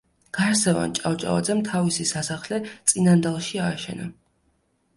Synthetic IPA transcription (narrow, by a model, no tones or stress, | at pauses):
ɡ̥aɾsɛva̰nt͡ʃʼavt͡ʃʼa̰va̰d̪zɛmt̪ʰavisisasaχlɛt̪sʼinand̪alˠʃiaːʃɛ̰na̰